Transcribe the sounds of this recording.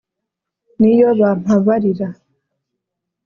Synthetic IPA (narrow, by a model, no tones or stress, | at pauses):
nijɔβam̥aβaɾiɾa